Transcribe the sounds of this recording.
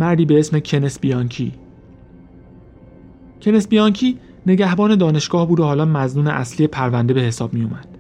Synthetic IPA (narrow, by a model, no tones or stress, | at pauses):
mæɾd̪iːbe̞esme̞cʰe̞nesbijɒŋcʰi | cʰe̞ne̞sbijɒŋcʰiː | ne̞ɟæhbɒːne̞d̪ɒːne̞ʃɡ̥ɒːhbuːd̪ohɒːlɒːmæznuːneʔæslije̞pʰæɾvænd̪e̞be̞he̞sɒːb̥̚mijumæd̪̥